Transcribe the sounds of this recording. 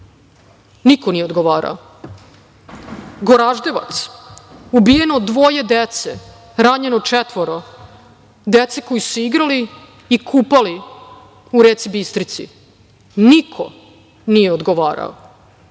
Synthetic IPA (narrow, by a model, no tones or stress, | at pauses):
nikonijeod̪ɡoʋaːɾa̰o | ɡo̞ɾaʒd̪e̞ʋa̰t̪subije̞nod̪ʋo̞jed̪et̪se | ɾaɲenot͡ʃet̪ʋo̞ɾo | d̪et̪sekojisuiɡɾaliː | kʰuːpali | uɾet̪sibist̪ɾit̪sḭ | nikʰo̰ | nijeod̪ɡoʋaːɾa̰o̰